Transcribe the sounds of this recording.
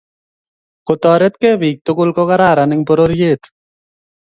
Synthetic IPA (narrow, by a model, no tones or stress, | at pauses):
qʊt̪ɔːɾet̪kebiːk̚t̪okʊlkɔkaɾaːɾanɪŋpɔɾoɾjeːt̪